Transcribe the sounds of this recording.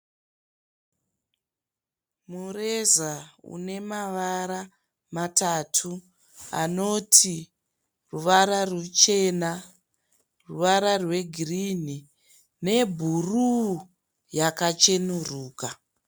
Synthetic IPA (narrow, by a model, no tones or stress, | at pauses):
murezaṵne̞maʋaɾa | matatʰu | a̰no̞tʰi | ruʋaɾarut͡ʃe̞ːna | ruʋaɾarwe̞ɡʱirini | ne̞bʱuru | jakat͡ʃenuruːka